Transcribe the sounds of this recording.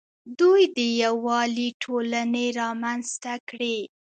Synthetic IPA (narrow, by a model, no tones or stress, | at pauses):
d̪ujd̪əjawɑliʈʰolaneɾɑmanzt̪akɽe